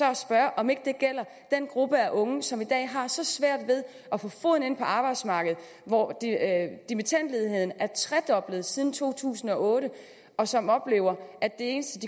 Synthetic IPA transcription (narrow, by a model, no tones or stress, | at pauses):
ɒ̽ɒsb̥ɶɐʔɒ̽me̝ɡ̥əd̥e̝ɡ̥el̰ɐ | d̥enɡ̥ʁub̥əæʔɔ̽ŋəsɒ̽mid̥ɛ̰ːɦɑ̈sɒ̽sʋæɐ̰d̥ʋe̝ð̞ˠ | ʔɒfɔ̽fɔ̰ðˠn̩e̝n̰pʰɒ̽ɑ̈ːb̥ɑ̈ɪd̥smɑ̈ːɡ̥əð̞̩ˠ | ʋɒ̰̥ | d̥imit͡sʰæn̰d̥le̝ð̞ˠɦe̝ð̰ˠn̩æɐt͡sʰʁɛd̥ɒ̽b̥ləð̞̩ˠsið̞ˠn̩t͡sʰo̝̰ːt͡sʰṵːsn̩ɒ̽ʔɔːɾə | ɒ̽sɒ̽mɒ̽b̥le̝ːʊɐʔæd̥ːe̝e̝ːnəsd̥əd̥i